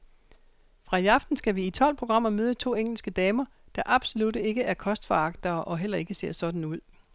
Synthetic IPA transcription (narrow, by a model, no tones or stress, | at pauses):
fʁɑ̈jɑ̈fd̥n̩sɡ̥æʋiːt͡sʰɒ̽l̰pʰʁo̝ɡ̥ʁɑ̈m̰ɐmøːð̞ˠət͡sʰo̝̰ːeŋ̰l̩sɡ̥əd̥ɛːmɐ | d̥ɑ̈ʔɑ̈b̥so̝lud̥e̝ɡ̥əæɐkʰɒ̽sd̥fɑɑ̈ɡ̥̚d̥ɐːʔɒ̽ɦel̰ɐe̝ɡ̥əse̝ɐ̰sɒ̽d̥n̩uð̞̰ˠ